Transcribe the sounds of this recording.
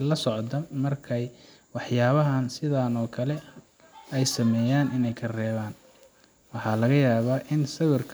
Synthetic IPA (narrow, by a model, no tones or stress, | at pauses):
lɐsɔʕd̪ɐmɐrkʰɛj | wɑħjaːβɐɦɐnsɪðaːnɔːkʰɐlɛ | ɛjsɐmɛːjaːnɪnɛjkʰɐrɛːβaːn | wɑħɑːlɐɣɐjaːβaːʔɪnsɐðʊrkʰ